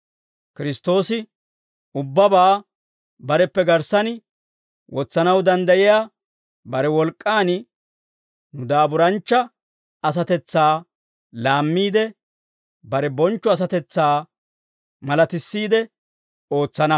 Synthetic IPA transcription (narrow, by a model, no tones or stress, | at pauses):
kɪɾɪst̪o̞ːsɪ | ʊbːɐbaː | bɐɾɛpːɛɡɐɾsɐn | wɔt͡sːɐnɐwd̪ɐnd̪ɐʔɪjaː | bɐɾɛwɔlkʼːaːn | nʊd̪aːbʊɾɐnt͡ʃːɐ | ɐs̬ɐt̪ɛt͡sːaː | laːmːiːd̪ɛ | bɐɾɛbɔnt͡ʃːɔɐs̬ɐt̪ɛt͡sːaː | mɐlɐt̪ɪsːiːd̪ɛ | oːt͡sːɐnɐ